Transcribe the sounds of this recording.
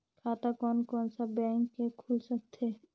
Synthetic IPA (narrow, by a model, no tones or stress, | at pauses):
kʰaːt̪akɔnkɔnsabɛ̃ŋkːekʰulsək̚t̪ʰe